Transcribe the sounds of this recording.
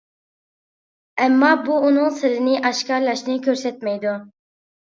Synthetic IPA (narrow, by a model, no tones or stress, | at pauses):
ɛmːɑbuːnɨŋsɪlɪnɪʔɑʃkɑɾlˠɑʃnɪkʲʰøɾsɛt̪̚mɛjd̪u